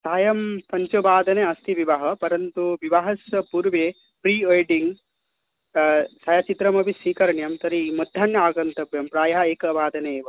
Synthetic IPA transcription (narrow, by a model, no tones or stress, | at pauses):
saːjɐmpɐɲt͡ʃobaːd̪ɐneɐst̪ʰiʋiʋɐɦɐpɐɾɐnt̪uʋiʋaɦɐsjɐpuɾʋe | pɾiːɐjɖiŋɡ | sɐjaːt͡ʃit̪ɾɐmɐbisʋiːkɐɾɐɳjɐmt̪ɐɾimɐd̪ʱːaːɳjɐaːɡɐnt̪ɐbjɐmpɾaːjɐɦɐeːkɐbaːd̪ɐneeːʋɐ